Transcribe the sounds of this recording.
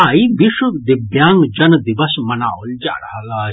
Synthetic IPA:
ajibiʃud̪ibjaːŋɡd͡ʒɐnd̪iʋɐsmɐnaːuld͡ʒa̰ːɽɐɦalaː

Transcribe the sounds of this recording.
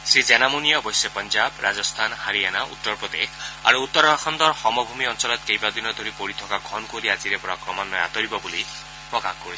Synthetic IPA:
sed͡ʒɛnamunijɔbɔjsepɔnd͡ʒabɾad͡zɔst̪ʰanhaɾienaʔṵt̪ːɔɾpɹɔd̪ḛkʰa̰ɾuːt̪ːɔɾbʱaxʰɔnd̪ɔɾxɔmɔbʱumiɔnsɔlɔt̪̚kejbad̪inɔd̪ʱoɾipoɾit̪ʰɔkaɡʱɔnkoɾiad͡ʒiɾepɔɾakɾɔmanːɔja̰t̪ɔɾibɔbuli | pɾɔkakkoɾii̥

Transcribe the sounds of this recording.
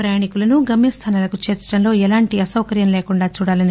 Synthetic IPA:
ɾɐjaːɳikulɐnuɡɐmjɐst̪ʰaːnaːlɐkut͡ʃeːɾt͡ʃɐ̥ʈɐmlo̞ːɛlaːɳʈiɐsɐwkɐɾjɐmleːkuɳɖaːt͡ʃuːɽaːlɐni

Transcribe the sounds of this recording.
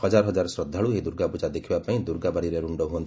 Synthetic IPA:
hɔd͡ʒaɾɔɦɔd͡ʒaɾɔsɾɔd̪ʱːaɭuɦed̪uɾɡapud͡ʒad̪ekʰibapaĩd̪uɾɡabaɽiɾeɾuɳɖɔɦuɔnt̪i

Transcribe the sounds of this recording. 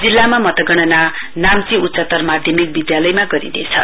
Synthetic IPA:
d͡zilːamamʌt̪ʌɡʌɽ̃ʌna | namt͡siut̪sat̪ʌrmad̪ʱjʌmik̚bid̪jalʌjmaɡʌɾḭnḛt͡sʰʌ̰

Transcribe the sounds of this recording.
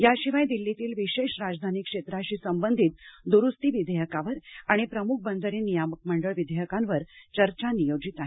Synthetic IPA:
jaɕiʋajd̪ilːit̪iːlʋiɕeɕɾad͡zd̪ʱanikʂet̪ɾaɕiːsəmbənd̪ʱiːt̪̚d̪uɾust̪iːʋid̪ʱejəkaʋəɾaɽ̃ipɾəmuk̚ʰbənd̪ʱəɾiːnːijamək̚məɳɖəɭʋid̪ʱeɦjəkanʋəɾt͡ɕəɾt͡ɕanijod͡ʑit̪aɦe

